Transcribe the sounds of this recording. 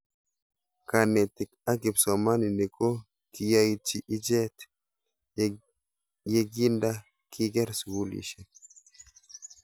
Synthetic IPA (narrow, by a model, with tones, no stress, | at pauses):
ka˨nɛ˨ti˨ka˦ɡi˨bsɔ˨ma˦ni˨ni˨ko˦ | ki˨ja˦jt͡ʃi˨ʔi˦d͡ʒɛ˦t | je˦ɡi˦nda˦ | kʰi˦ɡɛ˦ɾswu˦lḭ˨ʃɛ˨